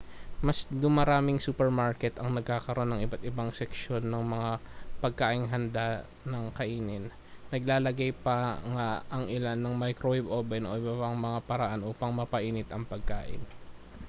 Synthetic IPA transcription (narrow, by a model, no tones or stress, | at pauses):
mɐsd̪ʊmɐɾaːmɪŋsuːpɛɹmaɹkɛt̪ɐŋnɐɡ̚kaːkɐɾʔo̞nːɐŋʔɪbat̪ɪbaŋsɛkʃo̞nːɐŋmɐŋapɐɡ̚kaːʔɪŋɦɐnd̪a | nɐŋkɐʔiːnɪnː | ɐɡ̚laːlɐɡajpɐŋaʔɐŋʔɪlanːɐŋmajkɾowɪbʔoːbɛnʔo̞̰ʔɪbapɐŋmɐŋapɐɾɐʔanʔuːpɐŋmɐpɐʔiːnɪt̪ɐŋpɐɡ̚ka̰ːʔɪ̰n